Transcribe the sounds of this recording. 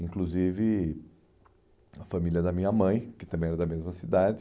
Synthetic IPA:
ĩkluzivɪ | ɐfamiljɐd̪ɐmĩɲɐmɐ̃j̃kɪt̪ɐ̃mbẽj̃ɛɾɐd̪ɐmezmɐsid̪ad͡ʒɪ

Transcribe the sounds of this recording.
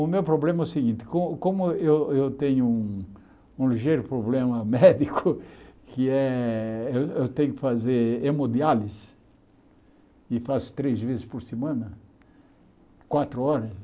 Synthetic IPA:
ʊmewpɾoblẽmɐɛsɪɡĩnt̪ɪ̥kõʊkõmʊewewt̪ẽɲʊũ | ũliʒejɾʊpɾoblẽmɐmɛd̪ikʰʊkʰɪɛewewt̪ẽɲʊkɪ̥fazeɾemod̪ialɪs | ɪfast̪ɾezvezɪspoɾsemɐ̃nɐ | kwat̪ɾʊɔɾɐs

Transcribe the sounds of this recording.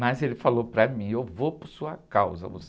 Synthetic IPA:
mɐzelɪfalopɾɐmĩewvopʊɾsuɐkawzɐ̰vo̰s

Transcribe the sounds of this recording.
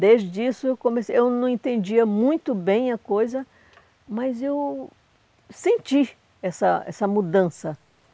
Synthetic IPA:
d̪ezd͡ʒɪisʊewkõmesewnɐ̃w̃ẽnt̪ẽnd͡ʒiɐmũj̃t̪ʊbẽj̃ɐkojzɐ | mɐzew | sẽnt͡ʃi | ɛsɐɛ̰sɐmud̪ɐ̃sɐ

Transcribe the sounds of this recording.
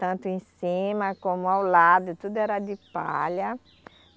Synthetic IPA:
t̪ɐ̃nt̪ʊẽsĩmɐkõmʊawlad̪ʊt̪ud̪ʊɛɾɐd̪ɪpa̰ʎɐ

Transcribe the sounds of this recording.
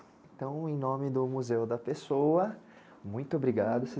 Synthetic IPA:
ẽt̪ɐ̃w̃ẽj̃nõmɪd̪ʊmuzewd̪ɐpesowɐ | mũj̃t̪ʊobɾiɡad̪ʊsɪ

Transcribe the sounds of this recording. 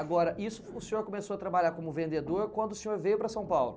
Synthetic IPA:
aɡɔɾɐʔisʊ̥ːsẽɲoɾkomesoɐt̪ɾabaʎaɾkõmʊvẽnd̪ed̪oɾkwɐ̃nd̪ʊsẽɲoɾvejʊpɾɐsɐ̃w̃pawlʊ

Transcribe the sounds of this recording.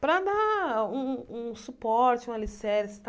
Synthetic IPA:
pɾɐd̪aũũsupɔɾt͡ʃɪũmɐlisɛɾst̪

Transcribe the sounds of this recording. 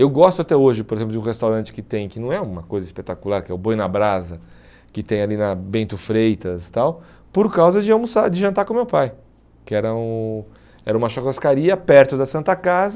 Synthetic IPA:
ewɡɔst̪ʊat̪ɛoʒɪpoɾezẽp̬lʊd͡ʒũhest̪awɾɐ̃nt͡ʃɪ̥kɪt̪ẽj̃kɪnɐ̃w̃ɛũmɐkojzɐispet̪akulaɾkɪɛʊbõj̃nɐbɾazɐ | kɪt̪ẽj̃alinɐbẽnt̪ʊfɾejt̪ɐst̪aw | poɾkawzɐd͡ʒɪɐ̃musad͡ʒɪʒɐ̃nt̪aɾkõmewpaj | kɪɛɾɐũ | ɛɾɐũmɐʃokoskaɾiɐpɛɾt̪ʊd̪ɐsɐ̃nt̪ɐkazɐ

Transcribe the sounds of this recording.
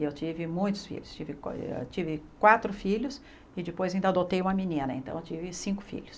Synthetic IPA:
ewt͡ʃivɪmũj̃t̪ʊ̥sfḭlʊst͡ʃivɪkt͡ʃivɪkwat̪ɾʊfiʎʊs | ɪd͡ʒɪpojzaĩnd̪ɐd̪ot̪ejũmɐminĩnɐḛ̃nt̪ɐ̰̃w̃ewt͡ʃivɪsĩŋkʊ̥fḭʎʊs

